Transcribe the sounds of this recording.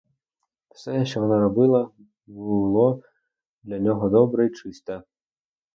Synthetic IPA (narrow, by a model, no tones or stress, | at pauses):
w̥sɛt͡ʃɔjɐnaɾɔbɨlˠɐ | bɨlˠɔ | d̪lʲɐnʲɔɦɔd̪ɔbɾɐit͡ʂɪst̪ɐ